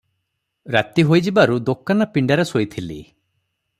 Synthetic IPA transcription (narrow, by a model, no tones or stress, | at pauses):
ɾat̪iɦojd͡ʒibaɾud̪okːanapiɳɖaɾesojt̪ʰilḭ